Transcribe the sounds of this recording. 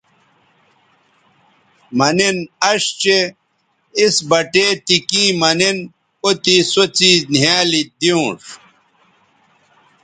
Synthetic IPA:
mɐninɐʂt͡ɕe | isbɐʈet̪ikĩːmɐnin | ot̪isot͡sinjaːlid̪iũʂ

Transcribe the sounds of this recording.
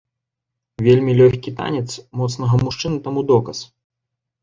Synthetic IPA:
vʲelʲmʲilʲɔxʲkʲit̪a̰nʲɛt̪smɔt̪snɐɣɐmuʂt͡ʂɨnɐt̪amud̪ɔkɐs

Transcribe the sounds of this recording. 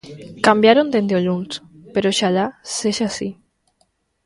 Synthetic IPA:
kambjaɾond̪end̪eoʎunspeɾoʃaʎaseʃasi

